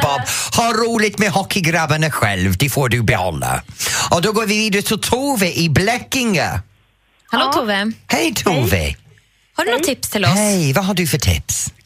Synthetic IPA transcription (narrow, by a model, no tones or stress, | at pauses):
b̥ɔb̥hɔɾuːlɪtmɛhɔkʰiɡɾabənəxwɛlˠvd̥ifɔːdubɛhɔ̰la̰ɔdoɡɔviviːdɪtʰɔtʰoːvɛʔiblɛkɪŋə̰ | haloːtʰoːvɛhejtʰoːvɛ̰ | hɔdɨnɔtʰɪpst̪ʰɪlɔhsejvaɦɔdufətʰɪ̰ps